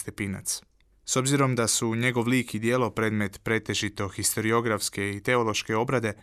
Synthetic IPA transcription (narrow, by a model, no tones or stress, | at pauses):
st̪epina̰t̪s | so̞bziɾo̞md̪asuɲe̞ɡo̞ʋliːkid̪je̞ːlo̞pɾe̞ːd̪me̞t̪pɾe̞t̪e̞ʒit̪o̞xist̪o̞ɾio̞ɡɾafske̞it̪e̞o̞lˠo̞ʃke̞o̞bɾad̪e̞